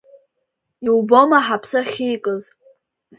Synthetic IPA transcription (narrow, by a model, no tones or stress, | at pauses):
iwbomaħapʰsɨχʲejkʼɨz